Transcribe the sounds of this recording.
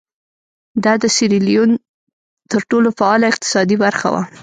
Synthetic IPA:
d̪ɑd̪əsɪɾilijun | t̪əɾʈolofaɑlaɪq̚t̪ɪ̥sɑd̪ibaɾxa̰wa̰

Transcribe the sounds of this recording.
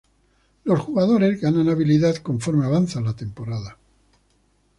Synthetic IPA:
lo̞sxuɣaðo̞ɾe̞zɣananaβiliðaðko̞ɱfo̞ɾmeaβanθalat̪e̞mpo̞ɾaða

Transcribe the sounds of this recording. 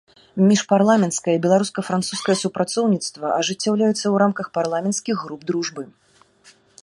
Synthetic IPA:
mʲiʂparlˠamʲɛnt̪skɐjɐibʲɛlˠaɾuskɐfɾant̪suskɐjɐsupɾat̪sɔwnʲit̪st̪vɐʔɐʐɨt͡sʲːawlʲajut̪sːɐwɾamkɐxparlˠamʲɛnt̪skʲiɣːɾub̚d̪ɾuʐbɨ

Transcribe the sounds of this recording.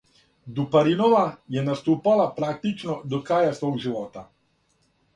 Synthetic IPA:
d̪upaɾinɔʋajɛnast̪uːpalapɾaːk̚t̪it͡ʃnɔd̪ɔkaːjasʋoːɡʒiʋɔːt̪a

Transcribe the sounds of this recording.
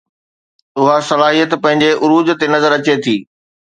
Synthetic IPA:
ʊɦasɐlaːɦijət̪pɐ̃ɦɪ̃ɲd͡ʑeʔʊɾuːd͡ʑt̪enɐzəɾɐt͡ɕet̪ʰiː

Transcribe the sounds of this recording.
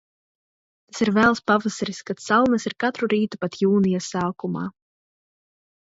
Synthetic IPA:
t̪asiɾvɛːlˠspavasaɾiskat̪sawnasiɾkat̪ɾuɾiːt̪upat̪juːnijasaːkuma̰ː

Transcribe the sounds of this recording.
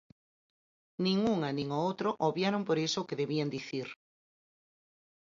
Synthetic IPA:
nĩŋuŋanĩŋoot̪ɾoʔoβjaɾompoɾesokeðeβiand̪iθiɾ

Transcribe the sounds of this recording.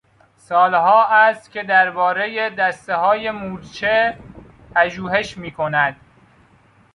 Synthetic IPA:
sɒːlɦɒːæst̪cʲʰe̞d̪æɾbɒːɾe̞jed̪æst̪eɦɒːje̞muːɾt͡ʃʰe | pʰæʒuːɦe̞ʃmiːkʰo̞næd̪̥

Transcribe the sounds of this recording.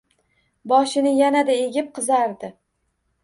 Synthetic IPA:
bɒʃɪnɪjanad̪aeɡʲɪp̚qʰɨzaɾd̪ɪ

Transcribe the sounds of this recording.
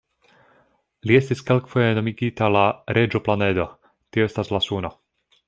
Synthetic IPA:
liest̪iskelkfojenomiɡit̪alaɾed͡ʒoplaned̪o | t̪ioest̪aslasuːno

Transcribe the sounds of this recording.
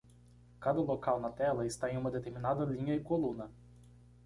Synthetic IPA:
kad̪ʊlˠɔkalˠnɐt̪ɛlˠɐist̪ajʲumɐd̪ɛt̪ʲɛmʲinad̪ɐlʲinʲjoikɔlˠunɐ

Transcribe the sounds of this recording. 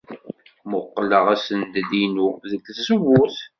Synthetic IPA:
mʊqːləʁæsənd̪linuðəkːθsəwːuθ

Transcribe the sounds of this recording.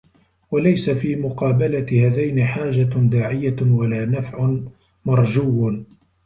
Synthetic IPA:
walajsafiːmʊqɑːbalaɪhaːðajnɪħaːd͡ʒad̪aːʕɪjawalaːnafʕʊ | mɑɾˤd͡ʒuːw

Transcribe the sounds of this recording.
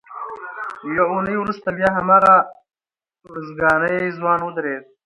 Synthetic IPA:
jaunəjwɾust̪abjɑːɦamɑːɣa | ʊɾəzɡɑːnəjzwɑːnwəd̪ɾed̪̚

